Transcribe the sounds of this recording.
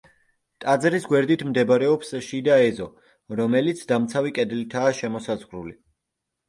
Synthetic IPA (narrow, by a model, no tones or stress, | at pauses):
t̪ʼad̪zɾisɡwɛɾd̪it̪ʰmd̪ɛbɾɛɔpsʃid̪aɛzɔ | ɾɔmɛlit̪sʰd̪amt̪sʰavikʼɛd̪lit̪ʰaːʃɛmɔsazʁɾuli